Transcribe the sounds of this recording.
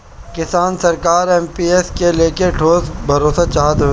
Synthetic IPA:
kɪsaːnsɐɾkaːɾɛːmpiːeskeleːkeʈʰoːzbʱɐɾoːsat͡ʃaːd̪o

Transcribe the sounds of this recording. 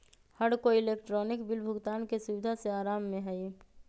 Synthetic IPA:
həɽkoɪleːkʈɾɔːnɪkbɪlbʱʊɡt̪aːnkesʊʋɪd̪ʱaseaːɾaːmːẽɦɛi

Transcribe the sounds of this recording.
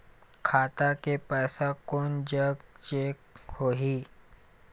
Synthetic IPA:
kʰaːt̪akepɛːsakoːnd͡ʒəɡt͡ʃeːkhoːɦiː

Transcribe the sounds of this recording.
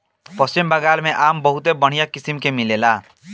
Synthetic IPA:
pəst͡ʃimbaɡalmeʔambɔɦut̪ebəɽ̤̃ijakisimkemilela

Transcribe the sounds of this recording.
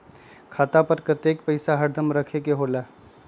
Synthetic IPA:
kʰaːt̪apəɾkət̪eːk̚pəɪsaɦəɾd̪ʱəmɾəkʰekeɦoːlaː

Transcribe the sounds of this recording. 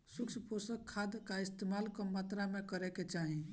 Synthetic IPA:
sukt͡ʃʰəposəkʰːad̪kaist̪emalkɔmat̪ɾamekəɾɛket͡ʃaɦi

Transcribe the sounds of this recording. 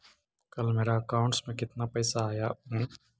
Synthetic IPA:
kɐlmeːɾaəkaːʊ̃ɳʈsmẽkɪt̪napəːsaɦajaɦɛ̃

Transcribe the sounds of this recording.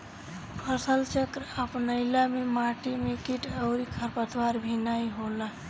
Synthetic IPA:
pʰəsəlt͡ʃəkɾəpnəɪlamemaʈimekiʈəʊɾikʰəɾpət̪ʰwaɾbʱinajɦola

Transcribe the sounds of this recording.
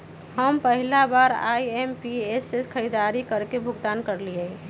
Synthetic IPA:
ɦəmpəɦilabaɾa̰iempiesekʰəɾid̪aɾikəɾkebʱʊɡt̪ankəɾliəi

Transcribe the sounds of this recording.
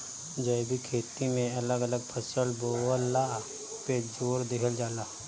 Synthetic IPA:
d͡ʒəbʱikʰeːt̪imẽɐləɡələɡ̚pʰəsəlboəlːa | ped͡ʒoːɾd̪ɪkʰəld͡ʒaːlaː

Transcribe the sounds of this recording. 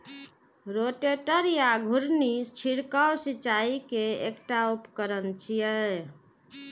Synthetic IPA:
ɾoʈeʈəɾjaɡʱuɾnit͡ʃʰiɽkawsit͡ʃaikeekʈaupkəɾənt͡ʃʰijə

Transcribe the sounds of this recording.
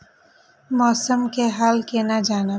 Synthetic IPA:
mɔːsəmkeɦaːlkenad͡ʒaːnɪb

